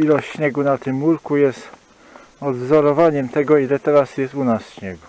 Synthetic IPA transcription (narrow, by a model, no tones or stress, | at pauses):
ilɔɕt͡ɕɕɲɛɡunat̪ɘmːuɾkujɛst̪ | ɔd̪vzɔɾɔvaɲɛmt̪ɛɡɔilɛt̪ɛɾasjɛst̪unasɕɲɛɡu